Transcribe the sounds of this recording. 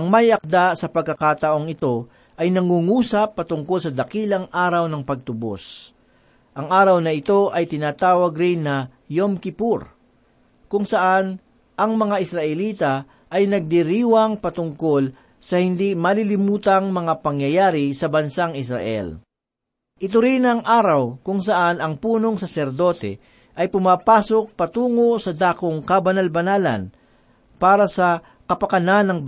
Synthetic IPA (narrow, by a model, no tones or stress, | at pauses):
ʔɐŋmɐjɐk̚d̪asɐpɐɡ̚kːɐkaːt̪ɐʔo̞ŋɪt̪o̞ | ʔɐjnɐŋuːŋuːsɐpːɐt̪ʊŋko̞lsɐd̪ɐkiːlɐŋʔaːɾɐwnɐŋpɐɡ̚t̪ʊbo̰s | ʔɐŋʔaːɾɐwnɐɪt̪o̞ʔɐjt̪ɪnaːt̪aːwɐɡɾɪŋːɐ | jomkɪpuɾ | kʊŋsɐʔan | ʔɐŋmɐŋaʔɪsɾɐʔɛliːt̪ɐ | ʔɐjnɐɡ̚d̪ɪɾiːwɐŋpɐt̪ʊŋko̞l | sɐhɪnd̪imɐlilɪmuːt̪ɐŋmɐŋapɐŋjɐjaːɾɪsɐbɐnsaŋɪsɾɐ̰ʔɛ̰l | ʔɪt̪ʊɾinɐŋʔaːɾɐwkʊŋsɐʔanɐŋpuːno̞ŋsɐsɛɾd̪o̞t̪ɛ̰ | ʔɐjpʊmaːpaːsok̚pɐt̪uːŋo̞sɐd̪aːkoŋkɐbɐnalbɐnaːlɐ̰n | paːɾɐsɐ | kɐpɐkɐnanːɐŋb